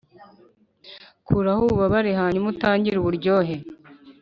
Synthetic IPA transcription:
kʰuɾahuβaβaɾiɦaːɲumutaːɲɟiɾuβuɾɟo̞ːɦe

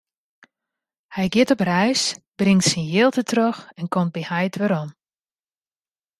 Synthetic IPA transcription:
hɛjɡjɪtɔprɛjsb̥rɪŋtsɪnjɪːlˠtətʰrøxɛnkɔmt̚bihajtʰʋəɾɔm

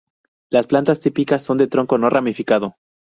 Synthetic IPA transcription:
lasplant̪ast̪ipikasːo̞nd̪et̪ɾo̞ŋko̞no̞ramifikaðo̞

